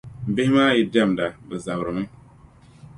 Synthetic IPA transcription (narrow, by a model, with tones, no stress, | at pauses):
m̩˨bɪ˦maː˦ji˦da˦˨mda˨bɨ˨za˨bɾɨ˨mɨ˦